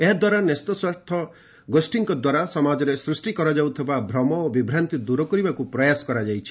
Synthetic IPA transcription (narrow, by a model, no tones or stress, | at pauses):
eɦd̪waɾanest̪ɔswaɾt̪ʰɔ | ɡosʈiŋkɔd̪waɾasɔmad͡ʒɔɾesɾusʈikɔɾɔd͡ʒawt̪ʰibabʱɾɔmɔobibʱɾant̪id̪uɾɔkɔɾibakupɾɔjasɔ̥kɔɾad͡ʒajt͡ʃʰi̥